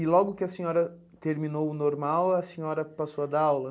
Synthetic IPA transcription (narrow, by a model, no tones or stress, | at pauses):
ɪlɔɡʊkɪɐsẽɲɔɾɐ | t̪eɾminowʊnoɾmawɐsẽɲɔɾɐpasoɐd̪aawlɐ